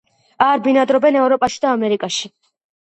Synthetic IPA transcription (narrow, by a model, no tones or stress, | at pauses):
aɾbinad̪ɾɔbɛnɛvɾɔpʼaʃi̥d̪aːmɛɾikʼaʃi̥